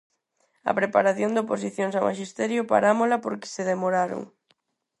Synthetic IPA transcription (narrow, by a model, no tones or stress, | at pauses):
ɐ̰pɾepa̰ɾaθjond̪oposiθjoŋsamʔa̰ʃist̪ɛɾjʊpa̰ɾamolapoɾkɪ̥seðemoɾaɾo̰ŋ